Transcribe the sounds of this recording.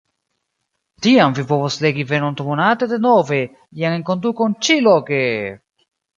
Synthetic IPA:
tiamvipovosleɡive̞nont̪omonatede̞nove̞ | ijaŋeŋko̞nd̪ukont͡ʃiloke

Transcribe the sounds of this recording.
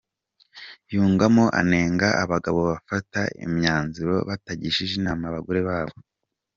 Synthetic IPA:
juːŋɡamo̞ʔa̰ne̞ːŋɡaʔaβaɡaβo̞βafataḭmɲaːnziɾo̞βataɟiʃiʒinamaβaɡoɾeβaːβo

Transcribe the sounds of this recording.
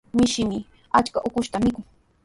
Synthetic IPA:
mɪʃɪmɪ | at͡ʃkaʔʊkʊʃt̪amɪkʊŋ

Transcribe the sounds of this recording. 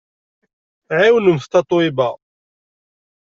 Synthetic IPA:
ʕiwənumθt̪ɑt̪ˤwɪba

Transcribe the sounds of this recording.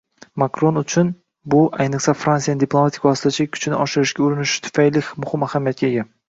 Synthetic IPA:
makɾo̞nʊt͡ʃʰʊn | bʊʔajnɨqsafɾansijanɪd̪iplˠo̞mat̪ʰɪ̥kʲvɒsɪ̥t̪ʰat͡ʃʰakʲʰʊ̥t͡ʃʰɪnɪʔɒʃɪɾɪʃɡʲaʊɾɪnɪʃɪ̥t̪ʰʊ̥fajlɪhmʊhɪmahamijat̪̚kʲaeɡʲa

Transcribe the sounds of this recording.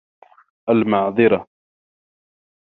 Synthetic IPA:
ʔalmɑʕðˤɨɾɑ

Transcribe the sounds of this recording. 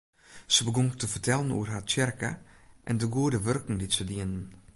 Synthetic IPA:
səbəɡɔŋtʰəfərtɛlˠənṵərɦatt͡ʃɛrkə̰ | ʔɛndəɡuədəʋørkŋ̩ditsədiənən

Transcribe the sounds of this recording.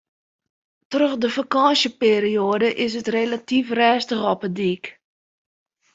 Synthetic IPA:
trøxdəfakɑsjəpeːɾioədəʔɪs̬ətrelatifrɛːstəχɔpədiːk

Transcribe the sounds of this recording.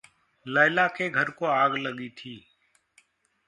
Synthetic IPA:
ləːlaːkeːɡʱəɾkoːaːɡləɠiːt̪ʰiː

